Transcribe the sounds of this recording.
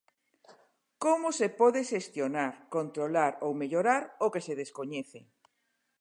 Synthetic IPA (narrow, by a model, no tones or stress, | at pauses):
komʊsepɔðeʃest̪jonaɾkont̪ɾolaɾowmeʎoɾaɾokeseðeskoɲɛθḛ